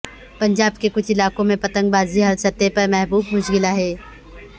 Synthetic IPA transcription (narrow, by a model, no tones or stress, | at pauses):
pɐ̃ɲd͡ʒaːbkekʊt͡ʃʰɪlaːkõmẽpɐt̪ə̃ŋɡ̚baːziɦɐɾsɐt̪ːepɐɾmɛɦbuːbmʊʃɡɪlaɦɛː